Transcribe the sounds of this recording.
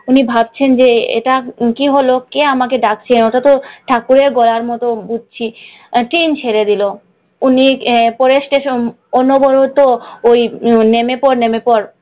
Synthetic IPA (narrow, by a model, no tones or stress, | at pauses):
unibʱab̚t͡ɕʰend͡ʑeḛʈakiɦolokeamak̬eɖak̚t͡ɕʰenoʈat̪oʈʰakuɾeɾɡɔlaɾmɔt̪obud͡ʑ̚ʱt͡ɕʰi | ʈɾint͡ɕʰeɾed̪ilo | unipɔɾeʃʈeʃo | onobɔɾot̪oojnemepɔɾnemepɔɾ